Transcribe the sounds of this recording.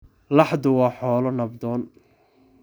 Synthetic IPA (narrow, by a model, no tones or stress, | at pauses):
lɑħd̪ʊwɑːħɔːlɔnɐbd̪ɔːn